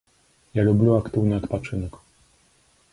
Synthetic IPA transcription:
jalubʲlʲuwakt̪uwɲat̪pat͡ʂɘnɛk

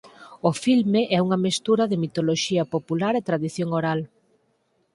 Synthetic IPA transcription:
ʊfilmeʔɛuŋɐmest̪uɾɐðɪmit̪oloʃiɐpopulaɾet̪ɾaðiθjoŋoɾal

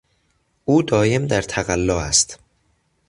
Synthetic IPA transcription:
ʔuːd̪ɒːje̞md̪æɾt̪ʰæɣælːɒːæst̪

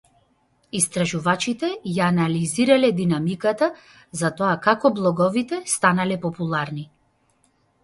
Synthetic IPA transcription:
ist̪ɾaʒuvat͡ʃit̪ɛjaːnaliziɾalɛd̪inamikat̪a | zat̪ɔakakɔblˠɔɡɔvit̪ɛst̪analɛpɔpulˠaɾni

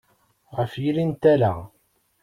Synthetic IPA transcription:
ʁəfjilint̪æla

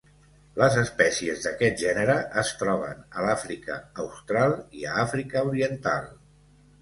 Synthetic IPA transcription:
ləzəspɛsiəzðəkɛt̪̚ʒɛnəɾəʔːst̪ɾɔβ̞ənəlafɾikə̰ːwst̪ɾalˠiəafɾikəuɾiənt̪a̰lˠ

